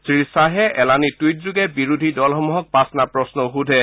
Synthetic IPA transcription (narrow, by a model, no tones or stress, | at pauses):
sɹisaɦɛɛlanitujt̚zuɡɛbiɹudʱidɔlxɔmuɦɔk̚pasnapɹɔsnɔɦudʱɛ